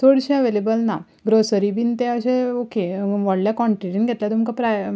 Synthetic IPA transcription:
soɽɕẽəʋelebəlna | ɡɾosəɾibint̪ɛ̃əɕẽokeʋɔɽljakɔ̃ɳʈɾiɾinɡʱet̪lat̪umkapɾa

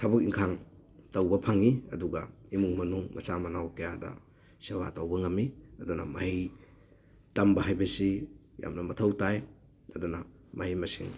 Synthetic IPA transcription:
tʰabɐk̚iŋkʰaŋ | tɐwbɐpʰaŋiɐduɡɐimuŋmɐnuŋmɐ̰samɐnawkejadɐ̰ | sewa̰tɐwbɐŋɐmiɐdunɐ̰mɐhij | tambɐɦajbɐsi | ja̰mnɐmɐtʰɐwtaj | ɐdunɐ | mɐɦijmɐsiŋ

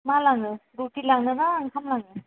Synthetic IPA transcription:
malaŋɯɾutilaŋnɯnaːŋhʰamlaŋɯ

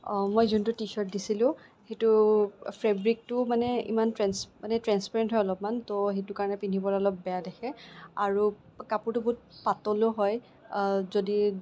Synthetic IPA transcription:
mojzuntʊtiʃɔɹt̚disilʊ̃ | xejtʊpʰɹɛbɹik̚tʊmanɛḭmantɹɛnsmanɛtɹanspaɹɛntɦɔjɔlɔpmantoɦetʊkaɹɔnɛpinʱibɔɹaɔlɔp̚bɛjadɛxʰɛaɹu | kapuɹtʊbʊt̚patɔloɦɔj | zodi

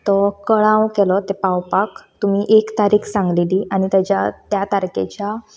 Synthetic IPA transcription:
t̪ɔkəɭãwkelɔt̪epawpakt̪umiʔekt̪aɾiːkʰsãŋɡliliːaɽ̃it̪jat͡ɕat̪jat̪aɾkḛt͡ɕa

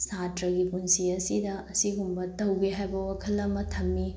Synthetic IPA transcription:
satɾɐɡipunsiɐsidɐɐsiɡumbɐtɐwɡiɦajbɐwɐkʰɐlɐmɐtʰɐmːi

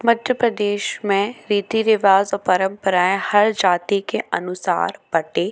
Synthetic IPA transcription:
mɐd̪ʱjəpɾəd̪eːʃmẽɾiːt̪inɪʋaːzɔːɾpɐɾə̃mpəɾaːehɐɾd͡ʒaːt̪ikeʔɐnʊsa̰ːɾb̥ɐʈeː

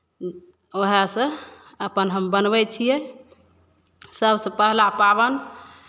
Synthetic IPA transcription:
oɦasə̃ | əpənɦəmbənbɛt͡ʃʰijɛ | səbsə̃pəɦlapabən

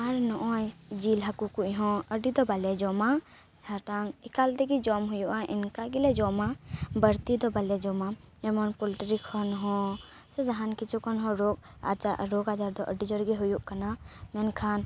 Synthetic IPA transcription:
aɾnɔʔɔjd͡ʒilɦakukuʔɦɔ̃əɖid̪ɔbalɛd͡ʒɔma | at̪aŋikalt̪ɛɡid͡ʒɔmɦujuʔaʔḭnkaɡilɛd͡ʒɔmabəɾt̪id̪ɔbalɛd͡ʒɔma | ɛmɔnpɔlʈɾikʰːɔnɦɔ̃ | sɛd͡ʒaɦankit͡ʃʰukɔnɦɔ̃ɾɔɡa̰d͡ʒaɾɔɡad͡ʒaɾd̪ɔʔəɖid͡ʒɔɾɡɛɦujuʔkanamɛnkʰan

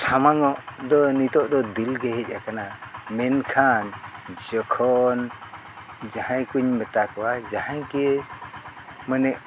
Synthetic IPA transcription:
sʰamaŋɔʔd̪ɔnit̪ɔʔd̪ɔd̪ilɡɛɦɛc̚ˀʔakanamɛnkʰand͡ʒɔkʰɔn | d͡ʒahãjkuɲmɛt̪akʰawad͡ʒahajkɛ | mənɛʔ

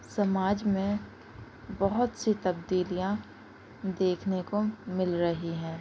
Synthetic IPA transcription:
sɐmaːd͡ʒmẽ | bəɦʊt̪sit̪ɐbd̪iːlijã | d̪eːkʰnekomɪlɾɐɦiɦɛ̃ː

